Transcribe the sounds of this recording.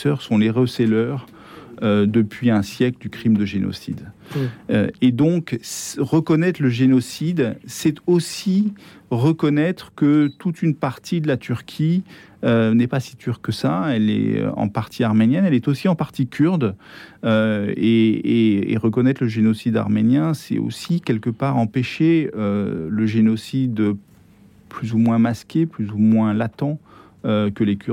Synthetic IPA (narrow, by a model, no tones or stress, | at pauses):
sœʁsɔ̃leʁəsɛlœʁ | ød̪əpɥiɛ̃sjɛkləd̪ykχimd̪əʒenɔ̰sḭd̪ | ø̰ed̪ɔ̃ksʁəkɔnɛt̪χləʒenɔsid̪sɛt̪osiʁəkɔnɛt̪χkət̪ut̪ʰynpaʁt̪ʰid̪əlat̪yʁkʲʰi | ønɛpasi̥t̪yʁkːəsaɛlɛ̰ɑ̰̃paʁt̪ʰiaʁmenjɛnɛlɛt̪osiɑ̃paʁt̪ikʲʰyʁd̪øeeḛʁəkɔnɛt̪χləʒenɔsid̪a̰ʁmenjɛ̃sɛ̰o̰sikʲɛlkəpaʁɑ̃peʃeøləʒenɔsid̪ | plyzumwɛ̃maskʲeplyzumwɛ̃lat̪ɑ̃ | økəlekʲy